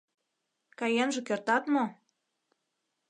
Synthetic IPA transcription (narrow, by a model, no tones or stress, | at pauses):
kɑjenʒĕkørt̪ɑt̪mo